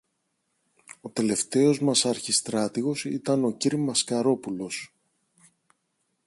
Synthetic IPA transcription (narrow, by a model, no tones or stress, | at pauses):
o̞t̪e̞le̞ft̪e̞o̞zmɐsɐɾçist̪ɾɐt̪iɣo̞sḭt̪ɐno̞ciɾimɐskɐɾo̞pulo̞s